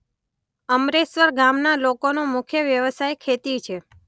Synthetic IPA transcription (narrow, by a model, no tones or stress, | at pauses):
əmɾesʋəɾɡamnalokonomʊkʰjəʋjəʋəsajkʰet̪it͡ʃʰe